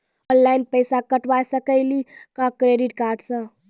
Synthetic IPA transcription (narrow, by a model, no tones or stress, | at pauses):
ɔ̃nlaɪnpəɪsakəʈʋasəkəɪlikakɾeɖiʈkaːɾɖsə̃